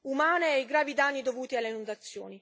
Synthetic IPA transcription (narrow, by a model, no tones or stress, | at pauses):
umaːneeɡɾaːvid̪anːid̪ovuːt̪ialːeinund̪at̪sːjoːni